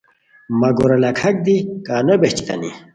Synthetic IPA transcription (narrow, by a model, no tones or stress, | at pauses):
mɐɡoɾɐlɐkʰɐk̚d̪ikaːnɐbeht͡ɕi̥t̪ɐ̰nḭ